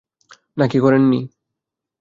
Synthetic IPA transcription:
nakikoɾenːi

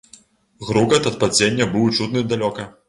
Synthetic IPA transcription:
ɣɾuɡɐt̪ɐt̪̚pad͡zʲenʲːɐbɨwt͡ʂut̪nɨd̪alʲɔkɐ

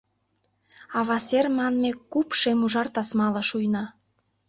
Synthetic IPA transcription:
ɑβɑsermɑnmekupʃemuʒɑrt̪ɑsmɑlɑʃujnɑ

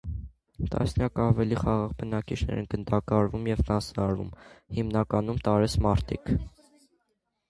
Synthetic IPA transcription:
t̪ɑ̰snjɑkɑvɛliχɑʁɑʁbənɑkit͡ʃʰnɛ̰ɾɛ̰nɡənd̪ɑkɑɾvumjɛvrɑsnɑɾvṵmhimnɑkɑnumt̪ɑɾɛsmɑɾt̪ʰik

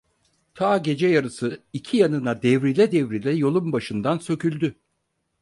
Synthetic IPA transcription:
t̪ʰaːɟe̞d͡ʒɛjaɾɯsɯicʰijanɯnad̪ɛvɾilʲɛd̪ɛvɾilʲɛjo̞lˠumbaʃɯnd̪ansø̞cʰylʲd̪y

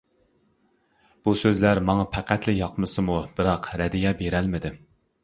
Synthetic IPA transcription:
b̥usøzlæɾmɑŋɑpʰæqæt̪ʰlɪjɑqmɨsɨmubɨɾɑqɾɛd̪ijɛbeɾɛlmɪd̪ɪ

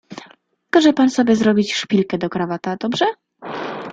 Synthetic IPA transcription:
kaʐɛpansɔbʲjɛzɾɔbʲit͡ɕʂpʲilkɛd̪ɔkɾavat̪ad̪ɔbʐɛ

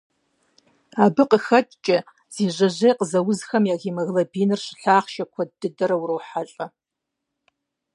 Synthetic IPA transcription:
aːbɨqəxɐtʼt͡ʃʼɐ | z̥iːʒʷɐʑejqəzɐwʊzxɐmjaːɣiːmɐɣlɐbiːnɨrɕɪ̥ɬaːχʃɐkʷʰɐdɨdɐɾɐwrowħaɬʼɐ

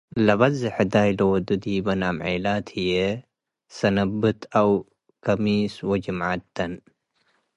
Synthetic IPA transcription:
lɐβɐzɪħɪd̪aːjlowd̪ud̪iːbɐnamʕeːlaːt̪ʰhije | sɐnɐbːɨt̪ʰɐw | kɐmiːswɐd͡ʒimʕa̰t̪ːɐn

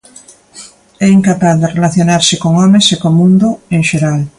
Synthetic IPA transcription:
ɛiŋkapaθðerelaθjonaɾsekoŋɔmẽsekomũnd̪oẽŋʃeɾal

